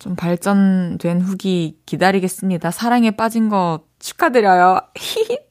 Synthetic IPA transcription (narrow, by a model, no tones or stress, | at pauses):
t͡ɕompaɭt͡ɕ͈ʌndwe̞nɸuɡikidaɾiɡe̞s͈ɯmɲidasʰaɾaŋe̞p͈ad͡ʑinɡʌ | t͡ɕʰu̥k͈ʰadɯɾjʌjoi